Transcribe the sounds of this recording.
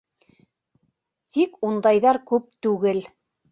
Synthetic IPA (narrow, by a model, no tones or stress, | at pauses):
t̪ikund̪ɑjðɑɾkʉp̚t̪ʉɡɘl